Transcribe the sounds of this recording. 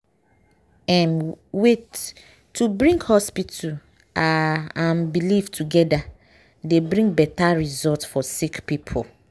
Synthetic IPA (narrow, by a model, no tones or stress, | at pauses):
ɛ̃mwetː | ubɹĩŋɡhɔspitʰu | aãnbiliftʰuɡɛda | debɹĩŋɡbɛtaɹizɔtfɔsikpipʰo